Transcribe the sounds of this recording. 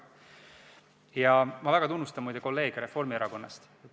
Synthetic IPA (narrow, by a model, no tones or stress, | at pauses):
jɑmɑvæɡɑt̪unːust̪ɑmujd̪̥eko̞lːe̞ːɡ̥ɾe̞fo̞rmieɾɑko̞nːɑ̰st̪